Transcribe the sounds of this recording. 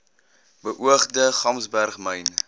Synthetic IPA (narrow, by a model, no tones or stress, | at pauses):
bəʔuəχdəχɐmsbærχməjn